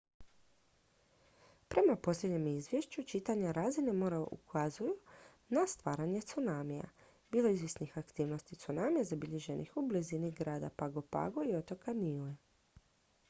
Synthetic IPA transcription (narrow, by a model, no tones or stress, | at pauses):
pɾe̞mapo̞slʎʲe̞d̪ɲemizʋje̞ʃt͡ɕut͡ʃit̪aɲaɾaːzinemo̞ːɾaʔṵkʰazuju | nast̪ʋaːɾaɲe̞t̪sunaːmija̰ | biːlˠo̞izʋjesnixakt̪iːʋno̞st̪it̪sunaːmijazabiʎe̞ʒe̞nḭxubliziniɡɾaːd̪a̰paɡo̞pa̰ɡo̞io̞t̪o̞kʰanile